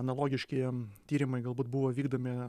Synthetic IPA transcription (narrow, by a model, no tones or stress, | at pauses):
ɐnɐlˠoːɡʲɪʃʲkʲiɛt̪ʲiːɾʲɪmɐɪɡɐlˠbuːt̪̚bʊʋoːʋʲiːɡd̪oːmʲɪ